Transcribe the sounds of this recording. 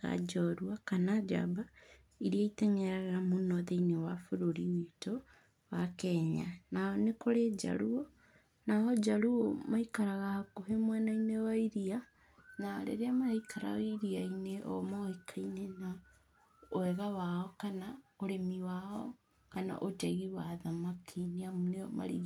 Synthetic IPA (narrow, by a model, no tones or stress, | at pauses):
ɣa̰d͡ʒɔɾwakanad͡ʒa̰ba | iɾiaitɛŋɛɾɛɾamunɔðeinewafoɾoɾiwito | wakɛɲanaɔnekoɾed͡ʒa̰ɾuo | naɔd͡ʒaɾuomaikaɾaɣahakoɦemwɛnainewaiɾia | naɾḛɾeamaaikʰaɾa̰iɾiaineʔɔ̰mɔikʰainena | oɛɣawaɔkanaoɾemiwaɔ | kana̰ʔotɛɣiwaðamakʰiniamuneɔma̰ɾḭɣ